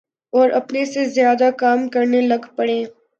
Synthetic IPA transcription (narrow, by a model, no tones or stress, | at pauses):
ɔːɾɐpnesezjaːd̪akaːmkɐɾnelɐɡpɐɽẽː